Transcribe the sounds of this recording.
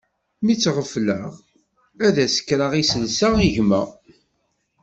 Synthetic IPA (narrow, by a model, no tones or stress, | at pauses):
mit͡sːʁəfləʁ | æðæsə̥kːɾaʁisəlsaʁiʝmæ